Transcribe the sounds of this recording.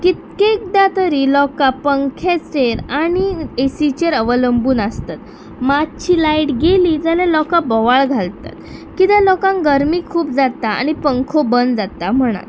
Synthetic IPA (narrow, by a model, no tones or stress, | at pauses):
kit̪̚kek̚d̪at̪əɾiːlɔkapəŋkʰẽt͡sɾeɾaɽ̃iesit͡ɕeɾəʋələmbuːnast̪at̪ | matt͡ɕʰiːlaiʈɡeliːd͡zalɛ̃lɔkabɔʋaɭɡʱalt̪a̰t̪kit̪ãlɔkãŋɡəɾmiːkʰuːp̚d͡zat̪aa̰ɽ̃ipəŋkʰobənd͡zat̪am̤əɽ̃a̰t̪